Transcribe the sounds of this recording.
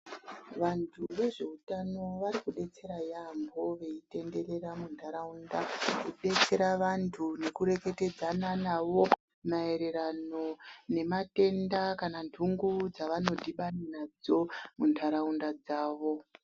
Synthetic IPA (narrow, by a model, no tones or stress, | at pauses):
ʋantʰuʋe̞ʐe̞utano̞ʋaɾikuɗe̞t͡se̞ɾajambo̞ʋe̞ite̞nde̞re̞ɾamundʰʱaɾaundakuɗe̞t͡se̞ɾaʋantʰune̞kuɾe̞ke̞te̞d͡zananaʋo̞ | mae̞ɾe̞rano̞ne̞mate̞ndakanandʱuŋɡud͡zaʋano̞dʱiɓaninad͡zo̞mundʰʱaɾaundad͡zaːʋo̞